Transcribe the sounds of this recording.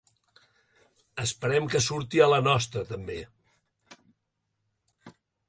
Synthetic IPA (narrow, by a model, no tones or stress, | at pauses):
əspəɾɛmkəsuɾt̪iələnɔst̪ɾət̪əmbe